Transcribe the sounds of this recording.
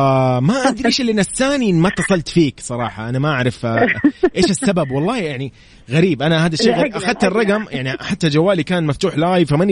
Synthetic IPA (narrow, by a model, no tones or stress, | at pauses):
maʔad̪ɾiʃɪlːinːasːaːninːmat̪ːɑsˤɑlt̪fiːksˤɑɾˤɑ̰ːħɑ̰ʔanamaʔaʕɾˤɑf | ʔeːʃɪsːababwɑlˤːɑːjaʕni | ɣaɾiːbʔanahaːd̪aʃːeːɣaʔaxad̪̚t̪ɪrˤːɑɡamjʔaʕniħad̪̚t̪ːad͡ʒawːaːlikaːnmaft̪uːħlaːjfaman